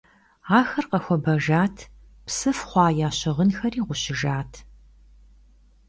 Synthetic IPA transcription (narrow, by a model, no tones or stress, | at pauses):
aːxɐrqɐxʷɔbɐʒaːtʰ | psɨfχʷɑːjaːɕɪʁənxɐriːʁʷʊɕɪʒaːtʰ